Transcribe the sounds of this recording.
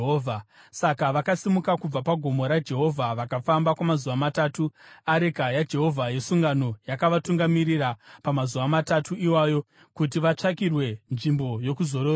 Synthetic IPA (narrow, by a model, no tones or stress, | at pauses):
oːvʱa | sakaʋakasimukakub͡vapaɡʱo̞mo̞ɾad͡ʒe̞ɦo̞vʱaʋakafambakwamazuʋamataːtuaɾekajad͡ʒe̞ɦo̞vʱaje̞suŋɡano̞jakaʋatuŋɡamirirapamazuʋamatatʰuiwaːjo̞ | kut̬iʋat͡ʂakirwe̞nʐimbo̞jo̞kuzo̞ɾoː